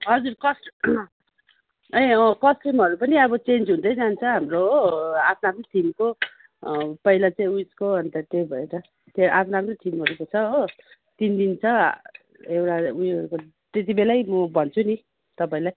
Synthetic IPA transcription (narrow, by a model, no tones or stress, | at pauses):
ɦʌd͡zuɾkʌsʈ | eʌkʌsʈimɦʌɾupʌniʌbʌt͡send͡zɦũnd̪ʌjd͡zant͡sʰʌɦamrooapʰnaapʰnoʈʰimko | pʌilat͡saĩujskoʌnt̪ʌt̪ebʱʌeɾʌ | t̪eʔapʰnaapnot̪ʰimʌɾukot͡sʰʌo | t̪ind̪int͡sʰʌ | ewʈaujɾuko | t̪et̪̬ibelajmʌbʱʌnt͡sʰuni | t̪ʌpãĩlaj